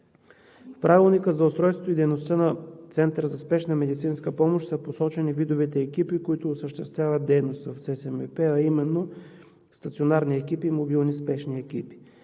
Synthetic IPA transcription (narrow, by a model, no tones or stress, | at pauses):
fpɾavilˠnikəzɐʊst̪ɾɔjst̪vo̥t̪oid̪ɛjnost̪ənɐt̪sɛnt̪əɾəzɐspɛʃnəmɛd̪it̪sinskəpɔmoʃt̪səposɔt͡ʃɛnivid̪ovit̪ɛːkipikoit̪ʊːsəʃt̪ɛst̪vʲjavət̪̚d̪ɛjnost̪vɐfsɛsɛmɛpɛɐimɛnːo | st̪ɐt̪sionaɾniɛkipiːmobilˠnispɛʃniɛkipi̥